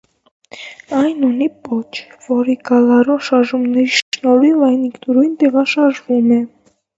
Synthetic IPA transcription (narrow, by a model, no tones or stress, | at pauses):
ɑjnunipɔt͡ʃʰvɔɾiɡɑlɑɾɔnʃɑɾʒumnɛɾiʃnɔɾilɑjnikt̪uɾujnt̪ɛʁɑʃɑɾʒvumɛ